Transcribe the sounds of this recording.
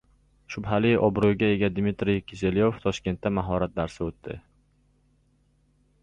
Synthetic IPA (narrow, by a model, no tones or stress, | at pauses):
ʃʊbɦalɪʔɒbɾujɡʲae̞ɡʲad̪mɪt̪ɾijkʲʰɪzeljoft̪ʰɒʃkʲe̞nt̪ːamaɦɒɾat̪̚d̪aɾsɪot̪ːɪ̰